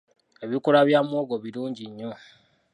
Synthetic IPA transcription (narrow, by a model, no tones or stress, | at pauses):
e̞βikuɾaβjamwo̞ːɡo̞βiɾuːɲɟiɲːo